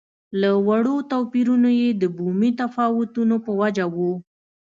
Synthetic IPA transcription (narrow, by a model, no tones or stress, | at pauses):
lawaɽot̪apiɾunojed̪əbumit̪afɑwʊt̪unopəwad͡ʒawu